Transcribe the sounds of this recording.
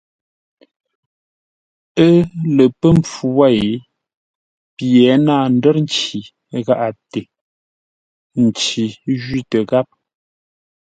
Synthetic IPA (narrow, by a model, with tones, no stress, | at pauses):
ə˦lə˨pə˦mp͡fu˨wa˦˨e˨˦ | pjɛ˨˦naː˦˨n̩˦də˦ɾn˦t͡ʃi˨ | ɣa˦ʔa˨te˨ | n̩˨t͡ʃi˨ʒɥi˦˨tə˨ɣa˦p̚